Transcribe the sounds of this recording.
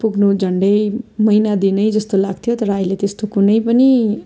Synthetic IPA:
puɡnud͡zʱʌɳɖʌjmʌinad̪inʌjd͡zʌst̪olaɡ̚t̪ʰjot̪ʌɾʌːilet̪est̪okunʌjpʌni

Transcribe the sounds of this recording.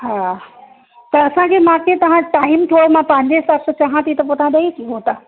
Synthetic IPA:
ɦaː | t̪ɐɐsãkʰeːmãːkʰet̪ɐʋ̤ãʈaːɪmt̪ʰoomãpɐ̃ɦɪ̃ɲd͡ʑesɐɾst͡ɕaːɦãt̪ʰit̪ɐpot̪ʰãɗ̪ɐik̪ʰĩɦõt̪aː

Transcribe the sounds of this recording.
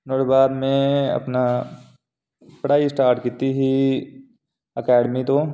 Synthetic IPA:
noːɾbaːd̪mẽɐ̰pna | pɾaːisʈaːɾʈkit̪iɦi | ɐkɛːɖmit̪o

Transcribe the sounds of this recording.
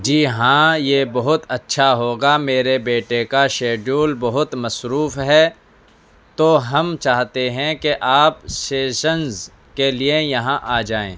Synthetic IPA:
d͡ʒiːɦãːjeːbɐɦʊt̪ɐtːʃʰaɦoːɡameːɾebeːʈekaʃeːɖuːlbɐɦʊt̪mɐsɾuːfɦɛː | t̪oɦɐmt͡ʃaːɦt̪eɦɛ̃keʔaːpseːʃənz | keliejɐɦãʔaːd͡ʒaːḛ̃ː

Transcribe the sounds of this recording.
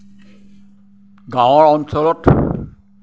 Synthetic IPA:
ɡãwɔɹɔnsɔlɔt

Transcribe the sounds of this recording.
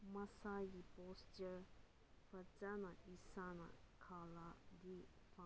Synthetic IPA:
məsaɡipostə | fət͡ʃanaisana̰kʰalad̪ifã

